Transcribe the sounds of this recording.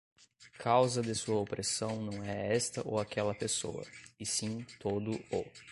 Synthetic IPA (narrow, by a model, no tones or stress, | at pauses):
kʰawzɐd̪ɪsuɐopɾʔesɐ̃w̃nɐ̃w̃ɛɛst̪ɐʔo̰wakɛlɐpeso̰ɐ̰ɪsĩt̪od̪ʊo